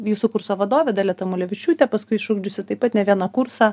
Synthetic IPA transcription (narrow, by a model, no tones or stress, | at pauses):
juːsukʊɾsoːʋɐd̪oːʋʲɛd̪ɐlʲɛt̪ɐmʊlʲɛʋʲɪt͡ʃʲuːt̪ʲɛpɐskʊɪʃʊɡd͡ʒʲʊsʲɪt̪ɐɪpɐt̪nʲɛʋʲiɛnɐkʊɾsɑː